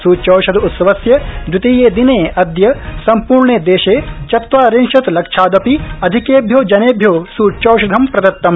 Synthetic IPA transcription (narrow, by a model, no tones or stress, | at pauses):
suːt͡ʃɐːʃɐd̪ut̪sɐʋɐsjɐd͡ʒ̪ɾut̪iːjeːd̪ineːɐd̪jɐsɐmpuːɾɳeːd̪eːʃeːt͡ʃɐt̪ʋaːɾenʃɐt̪lɐkʂʰaːd̪ɐpiɐd̪ʱikeːbʱjoːd͡ʒɐneːbʱjoːsuːt͡ʃoːʃɐd̪ʱɐmpɾɐd̪ɐt̪ːɐm